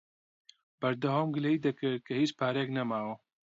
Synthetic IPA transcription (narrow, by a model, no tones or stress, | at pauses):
b̥ɐɾd̪ɐwaːmɡɨleiːd̪ɐkɨɾt̪̚kʰɐhiːt͡ʃpʰaːɾejeknɐmaːwɐ